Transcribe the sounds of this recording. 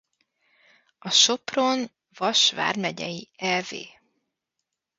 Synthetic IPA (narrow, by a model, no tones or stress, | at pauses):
ɒʃo̞pro̞n | vɒʃva̰ːrmɛɟɛjiɛlvḛː